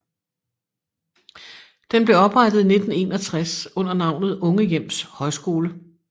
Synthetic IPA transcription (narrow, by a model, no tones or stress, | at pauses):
d̥enb̥le̝ɒ̽b̥ʁɑ̈d̥ð̩ˠine̝d̥n̩e̝̰ːnɒ̽t͡sʰʁasɔ̽n̰ɐnɑ̈ʊ̰nð̞̩ˠɔ̽ŋəjem̰shɒ̽ɪsɡ̥o̝ːlə